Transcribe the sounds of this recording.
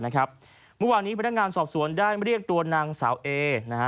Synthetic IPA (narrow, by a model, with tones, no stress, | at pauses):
na˦˥kʰɾa˦˥p̚ | mɯ˥˩waː˧nːiː˦˥pʰa˧nːa˥kŋaː˧nsɔː˨˩p̚su˩˦əndaː˥˩jma˥˩ɾi˥˩ək̚t̪u˧ɐnaː˧ŋsaː˩˦wʔeː˧na˦˥ha˦˥